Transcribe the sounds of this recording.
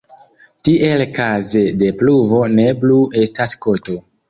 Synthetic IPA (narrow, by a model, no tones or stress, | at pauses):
tiʔelkaze̞de̞pluvo̞ne̞plue̞stasko̞to̞